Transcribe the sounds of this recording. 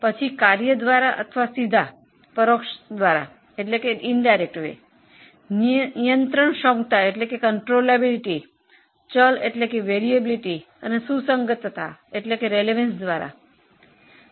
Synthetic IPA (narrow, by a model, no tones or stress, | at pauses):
pət͡ɕʰikaɾjəd̪ʋaɾaʔə̰t̪ʰəʋasid̪ʱa | pəɾokʂəd̪ʋaɾa̰ | eʈlekeiɳɖajɾek̚ʈʋḛ | nijənt̪ɾəɳɕɔ̃ŋɡt̪aeʈlekekəɳʈɾolebiliʈi | t͡ɕəleʈljekeʋeɾiebliʈi | anesusəŋɡət̪ət̪aeʈljekeɾeleʋensd̪ʋaɾa̰